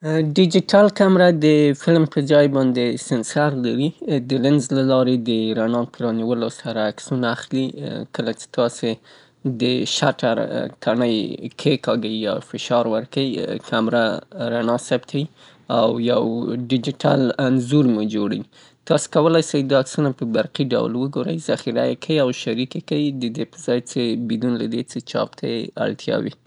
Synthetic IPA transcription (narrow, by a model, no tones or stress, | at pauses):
ɖɪd͡ʒiʈalkamɾad̪əfɪlmpəd͡zɑjbɑnd̪esɪnsaɾlaɾid̪əlɪnzlalɑɾed̪əɾanɑpɾɑniwəlosaɾaːksunaaxlikəlat͡ʃe̥t̪ɑse | d̪əʃaʈa̰ɾt̪ʰaɳəjkʰekɑɡəijɑ̰fɪʃɑɾwəɾkaikʰamɾaɾanɑsabt̪ʰai | awjawɖɪd͡ʒɪʈa̰lanzuɾmed͡ʒoɽa̰wi | t̪ɑse̥kawəlajsajd̪aksunapəbaɾqiɖa̰wlwəɡoɾə̰jz̥axiɾajekʰawiawʃaɾikekawid̪əd̪epəzɑjt͡sebid̪unlad̪et͡set͡ʃɑ̰pt̪ʰajea̰ɭt̪ʰjɑ̰wḭ